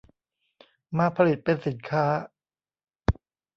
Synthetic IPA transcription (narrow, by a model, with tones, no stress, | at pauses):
maː˧pʰa˧li˨˩t̪̚pe˧nsi˨˩˦nkʰaː˦˥